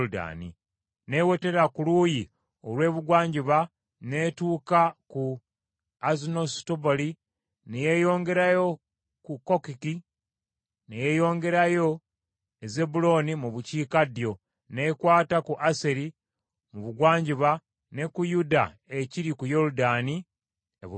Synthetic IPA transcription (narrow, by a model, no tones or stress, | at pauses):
da̰nḭ | ne̞wete̞ɾakuluːji | o̞lwe̞ːβuɡwaːɲɟiβa | ne̞ːtuːkaku | azinostoboli | neje̞jo̞ːŋɡe̞ɾajo̞ | kukːokiki | neje̞jo̞ːŋɡe̞ɾajo̞ | eze̞bulo̞nimuβuciːkadjo̞ | ne̞ːkwaːtakuʔaseɾi | muβuɡwaːɲɟiβa | ne̞kujuda̰ | e̞ciɾikujo̞ɾudaːni | ḛβ